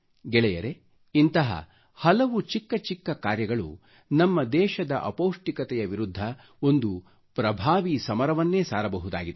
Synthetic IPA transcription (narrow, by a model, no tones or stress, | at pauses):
ɡɛɭɛjɐ̰ɾe̞ | int̪ɐɦɐ̰ | hɐlɐʋut͡ʃikːɐt͡ʃikːɐkaːɾjɐɡɐɭṵ | nɐmːɐd̪ɛːʃɐd̪ɐʔɐ̰powʂʈikɐt̪ɛjɐʋiɾud̪ʱːɐ | o̞nd̪u | pɾɐbʱaːʋisɐmɐɾɐʋɐnːe̞ːsaːɾɐbɐɦud̪a̰ːɡid̪